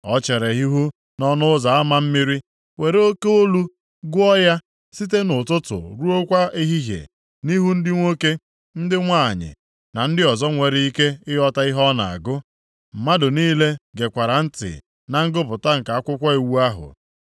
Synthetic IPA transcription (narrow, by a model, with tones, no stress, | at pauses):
ɔ˦t͡ʃe˨ɾe˨ɦi˦ɦu˦ | nɔ˦nʊ˦za˨a˦ma˨m̩˦mi˦ɾi˦ | we˨ɾe˦o˦ke˦o˦lu˦ | ɡʊ˦ɔ˦ja˦ | si˦t̬e˦nʊ˨tʊ˦tʊ̰˨ɾu˦o˦kʷa˦i˦ɦi˦ɦjḛ˨ | ni˦ɦu˦n̩˦dɪ˦ŋʷo˦ke˦ | n̩˦dɪ˦ŋʷa˦˨ɲɪ̰˨ | na˨n̩˦dɪ˦ɔ˨zɔ˦ŋʷe˨ɾɪ˦i˦ke˦ɪ˦ɦɔ˦ta˦i˦ɦɔ˦na̰˨a̰˨ɡʊ˦ | m̩˨ma˦dʊ˨niː˦le˦ɡe˨kʷa˨ɾa˨n̩˦tɪ̰˨ | na˨ŋ̩˦ɡʊ˦p̬ʊ˨ta˦ŋ̩˨ka˨a˦kʷʊ˦kʷa˦e˨wu˦a˦ɦʊ̰˨